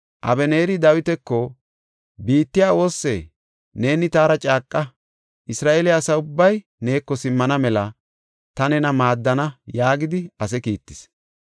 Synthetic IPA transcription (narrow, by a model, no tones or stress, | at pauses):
ʔɐ̰bɛne̞ːɾɪd̪ɐwɪt̪ɛkːɔ | biːt̪ːɪjaːo̞ːsːḛ | ne̞ːnɪt̪aːɾɐt͡ʃʼaːkʼːɐ | ʔɪsɾaːʔelɛɐsɐʊbːɐj | ne̞ːkːɔsɪmːɐnɐmɛlɐ | t̪ɐnɛnɐmaːd̪ːɐnɐjaːɡɪd̪ɪɐs̬ɛkḭːt̪ːɪs